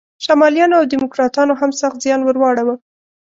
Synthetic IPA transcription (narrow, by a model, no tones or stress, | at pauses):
ʃamɑljɑnoawd̪imʊkɾɑt̪ɑnoɦamsaxt̪zjɑnwəɾwɑɽawə